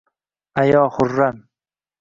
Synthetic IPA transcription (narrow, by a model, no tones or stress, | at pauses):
ajɒːhʊɾːan